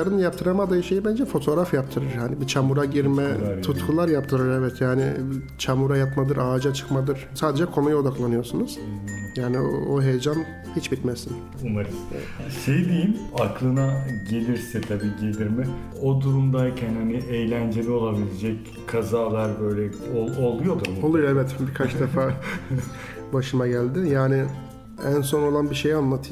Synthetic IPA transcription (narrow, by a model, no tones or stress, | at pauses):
aɾɯnjap̚t̪ʰɯɾamad̪ajiʃejibænd͡ʒɛfo̞t̪ʰo̞ɾafjap̚t̪ʰɯɾɯɾhanibit͡ʃʰamuɾaɟiɾmɛt̪ʰut̪kʰulˠaɾjap̚t̪ʰɯɾɯɾɛvɛt̪ʰjaːnḭ | t͡ʃʰamuɾajapmad̪ɯɾaːd͡ʒat͡ʃʰɯ̥kmad̪ɯɾ̥saːd̪ed͡ʒɛkʰo̞nujo̞d̪aklˠanɯjo̞sunuz̥jaːnio̰oɦe̞jed͡ʒan | hit͡ʃbit̪mɛsin | umaɾis | ʃejd̪ijimaklˠɯnaɟe̞lʲiɾsɛt̪ʰabiːɟe̞lʲiɾmɪ | od̪uɾumd̪ajcʰænhaniʔejlʲænd͡ʒe̞lʲio̞lˠabilʲed͡ʒɛc | kʰazaːlˠaɾbøjlʲɛoolˠujo̞d̪uo̞lˠujoɛvɛt̪bikʰat͡ʃd̪efaː | baʃɯmaɟælʲd̪ɪjaːnɪ | ænso̞no̞lˠanbiʃejanlˠat̪ʰɯ